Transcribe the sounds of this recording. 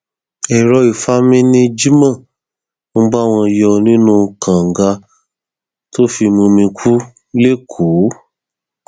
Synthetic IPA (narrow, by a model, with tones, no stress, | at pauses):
ɛ˨ɾɔ˧i˨fa˦mĩ˦nĩ˦d͡ʒi˦mã˦˨ | mũ˧ɡ͡ba˦˨w̃ɔ̃˧jɔ˧nĩ˦nũ˦kã˨ŋ̩˨ɡa˧ | to˦fi˧mũ˧mĩ˧kʰu˦ | le˦kʰo˨˦